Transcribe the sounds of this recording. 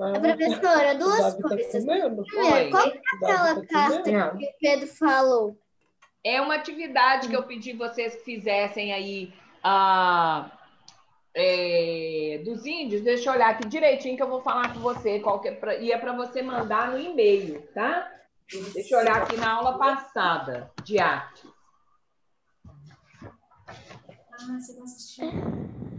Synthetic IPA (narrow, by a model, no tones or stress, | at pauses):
ɐpɾofesoɾɐd̪uɐzakoazɐmɐ̃d̪ʊɛkaw̪ak̪ɛlɐkãɐkɪped̪ɾʊfalow | ɛũmɐat͡ʃivid̪ad͡ʒɪkɪewpɪd͡ʒikɪvosesfizɛsẽj̃ai | ɐ | ɛ | d̪ʊzĩd͡ʒʊsd̪eʃɐoʎaɾakid͡ʒiɾejt͡ʃĩɲʊkewvowfalaɾkõvosekwawkɛpɾɐiɐpɾɐvosemɐ̃nd̪aɾnʊimejʊt̪a | d̪eʃɐoʎaɾakinɐawlɐpasad̪ɐd͡ʒɪaɾt͡ʃɪ̥s | asekɐsit͡ʃi